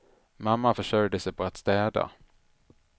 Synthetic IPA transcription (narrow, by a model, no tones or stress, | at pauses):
mamːafœʂœjd̪əsɛjpʰɔat̪st̪ɛːd̪a̰